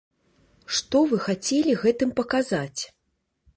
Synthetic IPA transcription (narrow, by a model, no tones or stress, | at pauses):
ʂt̪ɔvɨxat͡sʲɛlʲiɣɛt̪ɨmpɐkazat͡sʲ